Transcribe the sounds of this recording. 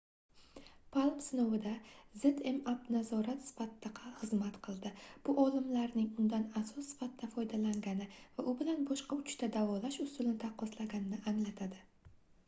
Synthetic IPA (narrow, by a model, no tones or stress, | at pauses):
pʰalˠpsɪnowɪd̪aze̞t̪e̞mapnazɒɾat̪sɪ̥fat̪ːɨqʰɑχɨzmat̪qʰɨlˠd̪ɪb̥ʊʔɒlˠɪmlaɾnɪŋʊnd̪anasɒsːɪ̥fat̪̚d̪afɒjd̪alaŋɡʲanɪvaʔʊbɪlanbɒʃqɑʊt͡ʃt̪ad̪avɒlaʃʊst̪ʊlɪnɪt̪ʰaqɒslaɡʲanɪnɪʔaŋlat̪ʰad̪ɪ